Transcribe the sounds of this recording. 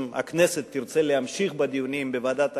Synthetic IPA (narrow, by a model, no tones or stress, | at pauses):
ma̰kneset̪ːiʁt͡selehamʃiχbad̪ijunimbevaːd̪at̪